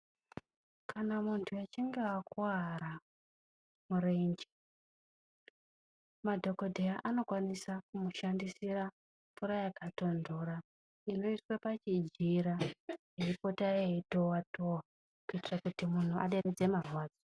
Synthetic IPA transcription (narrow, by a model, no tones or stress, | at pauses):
kʰanamuntʰuat͡ʃiŋɡewakuaɾa | muɾeini̥ | madʱo̞ko̞dʱejaʔano̞kwanisakumuʃandisira | fuɾajakato̞ndoɾa | ino̞iswapat͡ʃid͡ʒiɾajeipo̞tajeetowatʰowa | kuitirakutimun̤uʔa̰ɗered͡ze̞marwaːd͡zo